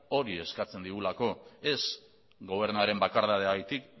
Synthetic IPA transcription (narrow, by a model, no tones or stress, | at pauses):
o̞ɾie̞skat͡se̞nd̪iɣulako̞e̞s | ɡo̞β̞e̞ɾnuaɾe̞mbakaɾðaðeaɣajt̪ik